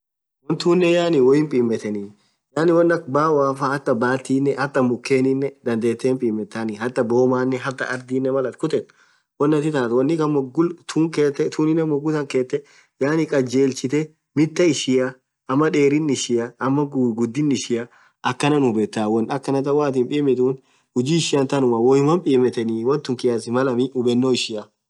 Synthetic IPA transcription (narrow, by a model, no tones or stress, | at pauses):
wɔnt̪uːnːɛjaːnɪwɔjɪmpʼiːmːɛt̪ɛniː | jaːnɪwɔnːɐk̚baːwaːfahɐt̪ːɐbaːt̪ːiːnːɛʔhɐt̪ːɐmʊkːeːnɪnːɛd̪ɐnd̪eːt̪ːeːmpʼiːmːɛt̪ːanɪhɐt̪ːɐboːmaːnːɛɦɐɾt̪ːɐ̰ʔɐɾd̪iːnːɛmɐlɐt̪kʊt̪ɛt | wɔnːɐt̪ɪt̪aːt̪wɐnːɪkɐmɔɡʊlt̪uːŋkeːt̪ːɛt̪uːnɪnːɛmːɔɡʊt̪ɐŋkeːt̪ːɛ | jaːnɪkʼɐd͡ʒe̞ːlt͡ʃɪt̪ɛ | mɪt̪ːɐɪʃɪjɐ | ʔɐmːɐᶑe̞ːɾɪnːɪʃɪjɐɐmːɐɡɡʊd̪ːɪnːɪʃɪjɐ | ʔɐkːɐnɐnʊbɛt̪ːaːwɔnɐkːɐnɐt̪ɐwaːt̪̬ɪːmpʼiːmɪt̪uːn | hʊd͡ʒiːɪʃɪjɐnt̪ɐnʊmɐwɔjɪmɐmpʼiːmːɛt̪ːɛniwɔnt̪ːʊŋkɪjasɪmɐlɐmɪʊbɛnːoːɪʃɪɐ